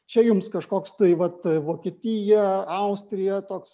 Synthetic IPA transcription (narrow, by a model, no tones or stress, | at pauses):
t͡ʃʲɛjʊmskɐʃkoːkst̪ɐɪʋɐt̪ʋoːkʲiɛt̪ʲiːjɛɐʊsʲt̪ʲɾʲɪjɛt̪oːks